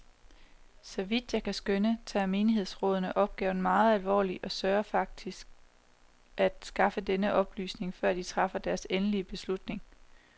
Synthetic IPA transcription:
sɒ̽ʋid̥jɑ̈ɪkʰæsɡ̥ønət͡sʰɛ̰ːme̝ːniɦe̝ð̞̰ˠsʁɔ̽ːð̞ˠnəʔɒ̽b̥̚ɡ̥ɛ̰ːʊn̩mɑ̈ːð̞̩ˠælʋɒ̰ːliʔɒ̽sɶːɐfɑ̈ɡ̥̚d̥isɡ̥̚ | ʔæd̥sɡ̥ɑ̈fəd̥enəʔɒ̽b̥ly̰ːsne̝ŋfɶɐ̰d̥it͡sʰʁɑ̈fɐd̥æɐsenəliəb̥e̝slud̥ne̝ŋ

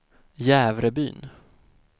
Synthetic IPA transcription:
jæːvɾəby̰ːn

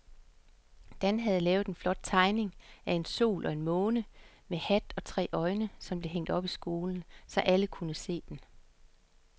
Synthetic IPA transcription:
d̥ænɦæð̞̩ˠlɛːʊð̞̩ˠenflɒ̽d̥̚t͡sʰɑ̈ɪne̝ŋæe̝nso̝̰ːlʔɒ̽e̝nmɔ̽ːnə | mehæd̥ɒ̽t͡sʰʁɛ̰ːʔɒ̽ɪnəsɒ̽mb̥le̝ɦeŋ̰d̥ɒ̽b̥isɡ̥o̝ːln̩sɒ̽ʔæləkʰunəse̝̰ːd̥en

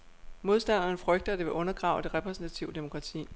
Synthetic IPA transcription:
mo̝ð̞ˠsd̥æn̰ɐnəfʁœɡ̥̚d̥ɐd̥e̝ʋe̝ʔɔ̽nɐɡ̥ʁɑ̈ʊd̥e̝ʁɛpʰʁɛsn̩t͡sʰæt͡sʰiʊd̥e̝mo̝kʰʁɑ̈t͡sʰḭː

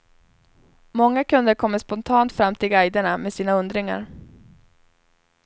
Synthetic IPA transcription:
mɔŋːakʰɵnd̪əɾkʰɔmːəʂpɔnt̪ʰɑːnt̪fɾamːt̪ʰɪlɡajd̪əɳameːd̪siːnaɵnd̪ɾɪŋa̰ɾ

